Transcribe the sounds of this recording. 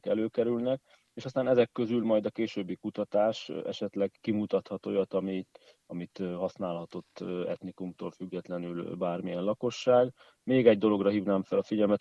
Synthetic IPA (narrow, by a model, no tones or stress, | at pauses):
kɛløːkɛɾylnɛk | eːʃɒst̪aːnɛzɛkːø̞zylmɒjd̪ɒkeːʃøːbːikut̪ɒt̪aːʃɛ̰ʃɛt̪lɛɡkimut̪ɒt̪hɒt̪o̰jɒt̪ɒmi | ɒmit̪ɦɒsnaːlhɒt̪o̞t̪ːɛ̰t̪nikumt̪o̰ːlfyɡːɛt̪lɛnylbaːrmijɛnlɒko̞ʃːaːɡ | meːɡɛɟ̚d̪o̞lo̞ɡrɒɦiːvnaːmfɛlɒfiɟɛlmɛt̪